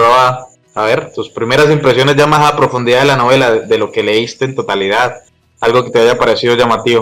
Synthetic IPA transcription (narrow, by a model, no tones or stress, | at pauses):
aβa | aβe̞ɾt̪uspɾime̞ɾas̬impɾe̞sjo̞ne̞zʝamasapɾo̞fund̪iðaðelano̞βe̞laðeðe̞lo̞ke̞le̞ist̪e̞ːnt̪ot̪aliðað | alɡo̞ke̞t̪e̞aʝapaɾe̞siðo̞ʝamat̪iβo